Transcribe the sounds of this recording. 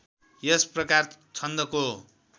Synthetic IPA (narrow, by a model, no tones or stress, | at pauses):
jesprʌkart͡sʰʌnd̪ʌko